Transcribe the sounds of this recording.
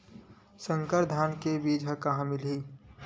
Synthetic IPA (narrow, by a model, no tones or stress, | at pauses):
sə̃ŋkəɾd̪ʱaːnkebiːd͡ʒʱɦəkaɦãmɪlɦiː